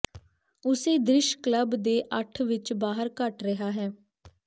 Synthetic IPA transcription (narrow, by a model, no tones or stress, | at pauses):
ʊseːd̪ɾɪʃkləbd̪eːʔəʈʰʋɪt͡ʃbaːɦəɾkəʈɾəɦaːɦɛː